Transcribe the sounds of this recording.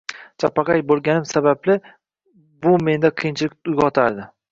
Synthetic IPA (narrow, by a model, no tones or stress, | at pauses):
t͡ʃʰapːɑqɑjbolˠɡʲanɪmsabablɪ | bʊme̞nd̪aqʰɨjɪnt͡ʃʰɪlɪk̚ʲʊjɡɒt̪ʰaɾd̪ɪ